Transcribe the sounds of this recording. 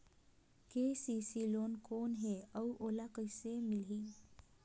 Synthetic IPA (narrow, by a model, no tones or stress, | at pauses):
kesisilonkonɦeəwʔolakəjsemilɦi